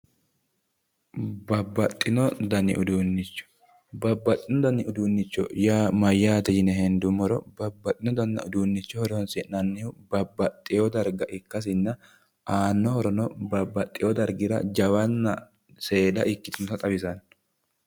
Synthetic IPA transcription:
bɐbːɐt̪ʼːɪnɔd̪ɐnɪ̰ʔʊd̪uːnːɪt͡ʃːɔ̥ | bɐbːɐt̪ʼːɪnɔd̪ɐnɪʔʊd̪uːnːɪt͡ʃːɔ̰jaːmɐjːaːt̪ɛjɪnɛɦɛnd̪ʊmɔɾɔbɐbːɐt̪ʼːɪnɔd̪ɐnːɐ̰ʊd̪uːnːɪt͡ʃːɔhɔɾɔsɪnɐnːɪʊbɐbːɐt̪ʼːɪjɔd̪ɐɾɡɐʔɪkːɐs̬ɪnːɐ | ʔaːnːɔhɔɾɔnɔbɐbːɐt̪ʼːɪjɔd̪ɐɾɡɪɾɐ̰d͡ʒɐwɐnːɐ̰ | se̞ːd̪ɐ̰ʔɪkːɪt̪ɪnɔt̪ɐt̪ʼɐbɪsɐn

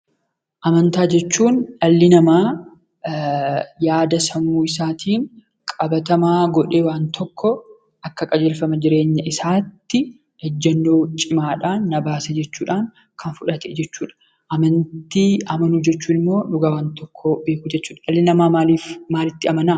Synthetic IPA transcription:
ʔɐmɐnt̪aːd͡ʒɛt͡ʃːuːnɐlːɪnɐmaː | jaːd̪ɐsɐnuːɪsaːt̪ʰiːŋ | kʼɐbɐt̪ɐmaːɡɔᶑeːwaːnt̪ʰɔkːɔ | ʔɐkːɐkʼɐd͡ʒeːlfɐmɐd͡ʒɪɾe̞ːɲːɐʔɪsaːt̪ːɪ | ɛd͡ʒːɐnːoːt͡ʃʼɪmaːᶑaːnːɐbaːsɛd͡ʒɛt͡ʃːuːᶑaːŋ | kʰɐnfʊᶑɐt̪ɛd͡ʒɛt͡ʃːuːᶑɐ̥ | ʔɐmɐnt̪iːɐmɐnuːd͡ʒɛt͡ʃːuːnɪmːo̞ːᶑʊɡɐwaːnt̪ɔkʰːɔbe̞ːkuːd͡ʒɛt͡ʃːuːᶑɐʔɐlːɪnɐmaːaliːfmaːlɪt̪ːɪɐmɐnaː

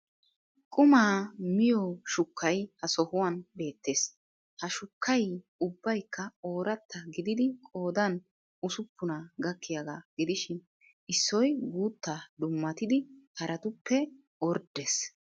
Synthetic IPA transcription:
kʼʊmaːmɪjɔʃʊkːɐjhɐsɔhʊwɐnbe̞ːt̪ːe̞s | hɐʃʊkʰːɐj | ʊbːɐjkːɐo̞ːɾɐt̪ːɐɡɪd̪ɪd̪ɪkʼo̞ːd̪ɐn | ʊsʊpːʊnɐɡɐkʰːɪjɐɡaːɡ̥ɪd̪ɪʃɪn | ɪsːɔjɡuːt̪ːad̪ʊmːɐt̪ɪd̪ɪhɐɾʔɐt̪ʊpːɛ | wɔɾd̪es

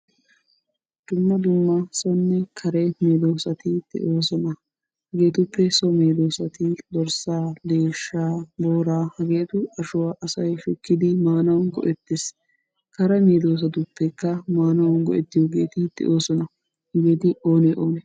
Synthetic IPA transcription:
d̪̥ʊmːɐd̪ʊmːɐsɔnːɛkʰɐɾɛmeːd̪oːsɐt̪ɪt̪ɛ̰ʔoːsɔnɐ | hɐɡe̞ːt̪ʊpːɛsɔmeːd̪o̞ːsɐt̪ɪd̪ɔɾsaːd̪e̞ːʃːaːbo̞ːɾaːhɐɡe̞ːt̪ʊɐʃʊwaːʔɐsɐjʃʊkːɪd̪ɪmaːnɐwɐnɡɔ̰ʔɛt̪ːɪs | kɐɾɛmeːd̪o̞ːs̬ɐt̪ʊpːɛkːɐmaːnɐwɐnɡɔʔɛt̪ːɪjoːɡe̞ːt̪ɪt̪ɛ̰ʔoːsɔnɐ | ɡe̞ːt̪ɪʔoːnɛʔoːn

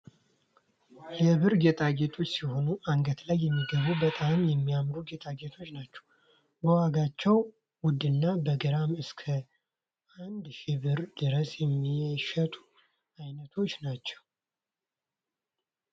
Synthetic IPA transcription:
jɛβɨɾɡet̪ʰʼaɡe̞t̪ʰo̞t͡ʃːsiho̞nuʔaŋɡət̪lajːɛmːiɡəβubət̪ʼamjɛmːijamɾuɡet̪ʼaɡet̪ʰo̞t͡ʃːnat͡ʃːɛ̥w | bəwaɡat͡ʃːɛw | wʊd̪ɨnːabəɡɨɾamɨskʰə | ʔand̪ʃɪβɨɾd̪ɨɾəsjɛmːiʃət̪ʼu̥ | ajnət̪ʰo̞t͡ʃːnat͡ʃːɛw

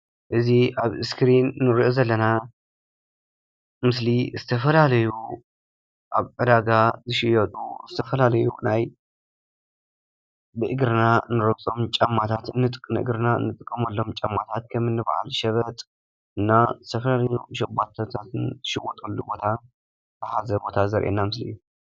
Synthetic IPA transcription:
ʔɨziʔaβɨskʰɾinːɨɾiʔozɐlːɐna | mɨslizɨt̪ʰɐfɐlalɐju | ʔaβʕɨd̪aɡazɨʃɪjɐt̪ʼṵzɨt̪ʰɐfɐlalɐjunaj | bɨʔɨɡɾɨnanɨɾɐwt͡sʼo̞mt͡ʃʼɐmːat̪ʰat̪ɨnːɨt̪ʼɨkʼːnɨʔɨ̰ɡɾɨnaɨ̰nːɨt̪ʼɨkʼːɐmɐlːo̞mt͡ʃʼɐmːat̪ʰat̪̚kʰɐmɨnːɨba̰ʕa̰lʃɐβɐt̪ʼ | ɨnːazɨt̪ʰɐfɐlalɐjuʃɐbat̪ʰɐt̪ʰat̪ʰɨnzɨʃɪwɔt̪ʼolːubo̞t̪ʰa | t̪ʰɨħazɐbo̞t̪ʰazɐɾʔenːamɨsliijːu

